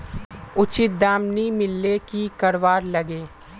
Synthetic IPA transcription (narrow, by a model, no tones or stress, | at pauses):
ʊt͡ʃɪt̪̚d̪aːmnimɪlːekikɐɾʋaːɾlɐɡeː